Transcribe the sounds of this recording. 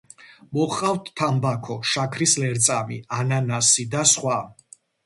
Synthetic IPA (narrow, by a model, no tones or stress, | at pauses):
mɔχqʼawt̪ʰːambakʰɔʃakʰɾislɛɾt̪sʼamiananasid̪asχwa